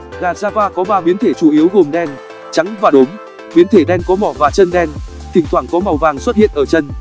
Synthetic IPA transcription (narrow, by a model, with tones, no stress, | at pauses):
ɣaː˨˩zaː˧vaː˧kɔ˨˦ɓaː˧ɓi˨˦ənt̪ʰe˧˩t͡ɕu˧˩ʔi˨˦əwɣo˨˩mɗɛ˧n | t͡ɕa˨˦ŋvaː˨˩ɗo˨˦m | ɓi˨˦ənt̪ʰe˧˩ɗɛ˧nkɔ˨˦mɔ˧˩vaː˨˩t͡ɕə˧nɗɛ˧n | t̪ʰï˨˩ŋ̟t̪waː˧˩ŋkɔ˨˦ma˨˩wvaː˨˩ŋswə˦˥t̚hḭ˧˨ənʔəː˧˩t͡ɕə˧n